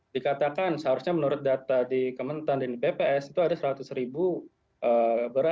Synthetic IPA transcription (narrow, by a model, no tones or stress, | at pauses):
dikat̪akansəɦaɾusɲamənuɾʊt̪̚dat̪adikəmənt̪andandipepeɛsit̪uadasəɾat̪ʊsɾibu | ʔəbəɾa